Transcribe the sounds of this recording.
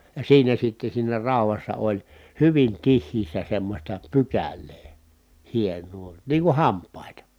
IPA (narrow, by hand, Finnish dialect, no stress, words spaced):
jɑ siːnæ sitːe siːnæ rɑˑu̞ʋɑsːɑ olʲ hyʋin tihˑiːsːæ semːosʲtɑ pykælˑeː hienˑuː niː kuh hɑmpˑɑˑitɑ